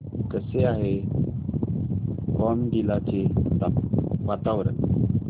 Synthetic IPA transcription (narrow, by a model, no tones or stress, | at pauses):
kəseaɦe | kɔmɖilat͡ɕed̪aʋat̪aʋəɾə